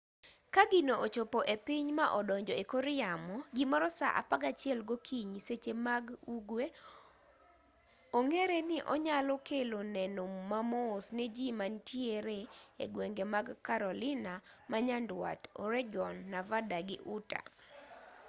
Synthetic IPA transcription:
kaɡɪnoʔot͡ʃopoʔepiɲmaʔɔdɔɲd͡ʒɔekoɾɪamɔɡimɔɾɔsa̰ʔa̰paɡat͡ʃɪɛlɡokʰiɲiset͡ʃemaɡuɡwe | oŋeɾenɪʔɔ̰ɲalɔkelonɛnomːamɔsned͡ʒimantjeɾeḛɡweŋɡemaɡkaɾɔlɪnamaɲandwa̰tɔ̰ɾɛɡɔnːavadaɡɪʔuta̰

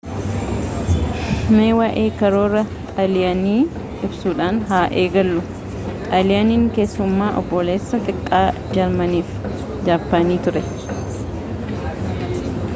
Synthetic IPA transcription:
meːwaːʔeːkɐɾoːrɐ | t̪ʼɐlɪjɐniː | ʔɪbsuːᶑaːnɦaːʔeːɡɐlːʊ | t̪ʼɐlɪjɐniːŋkeːsːʊmːaːʔɔ̰bːɔle̞ːsːɐt̪ʼɪkʼːaːd͡ʒɐɾmɐniːf | d͡ʒaːfːaniːt̪ʊɾɛ

